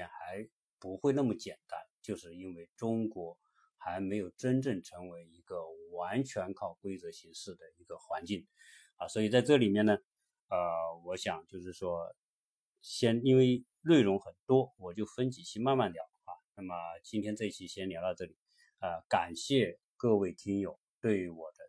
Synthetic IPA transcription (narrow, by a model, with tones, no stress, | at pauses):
ɛ˥nxa˧˥ɪ | pu˧˥xwe˥˧na˥˩mə˩t͡ɕjɛ˨˩nt̪a˥nt͡ɕjo˥˧ʊʂɻ̩˥˩i˥nwe˥˩ɪʈ͡ʂʊ˥ŋkwɔ˧˥ | xa˧˥ɪme˧˥ɪjo˨˩ʊʈ͡ʂə˥nʈ͡ʂɤ˥˩ŋʈ͡ʂʰɤ˧˥ŋwe˧˥ɪi˧˥ɡ̥ə˧wa˧˥nt͡ɕʰɥɛ˧˥nkʰɑ˥˩ʊkwe˥ɪt͡sɤ˧˥ɕi˧˥ŋʂɻ̩˥˩d̪ə˩i˧˥ɡə˧xwa˧˥nt͡ɕi˥˩ŋ | ə˧swɔ˧˥i˨˩t͡sa˥˧ɪʈ͡ʂɤ˥˩li˨˩mjɛ˥˩nə˩ | ə˧wɔ˧˥ɕjɑ˨˩˦ŋt͡ɕjo˥˧ʊʂɻ̩˥˩ʂwɔ˥ | ɕjɛ˥ni˥nwe˥˧ɪ | lwe˥˩ɪɻʊ˧˥ŋxə˨˩nt̪wɔ˥wɔ˨˩t͡ɕjo˥˩ʊfə˥nt͡ɕi˨˩t͡ɕʰi˧˥ma˥˧nma˥˩nt̪jɑ˨˩ʊd̪əxwa˥˩na˥˩mə˩t͡ɕi˥nt̪ʰjɛ˥nt͡sa˥˩ɪ˥˩t͡ɕʰi˧˥ɕjɛ˥nljʊt̪ɑ˥˧ʊʈ͡ʂɤ˥˩li˨˩˦ | ə˧ka˨˩nɕjɛ˥˧ | kɤ˥˧we˥˩ɪt̪ʰi˥ŋjo˨˩˦ʊt̪we˥˩ɪy˧˥wɔ˨˩d̪ə˦